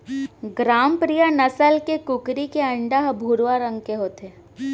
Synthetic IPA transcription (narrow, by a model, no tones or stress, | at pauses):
ɡɾaːmpɾijanɐsəlkekʊkɾikeɐ̃ɳɖaɦbʱuːɾʋaɾə̃ŋɡkeɦoːt̪eː